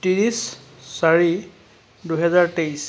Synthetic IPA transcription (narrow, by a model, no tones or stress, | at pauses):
tiɹis | saɹi | duɦɛzaɹtejs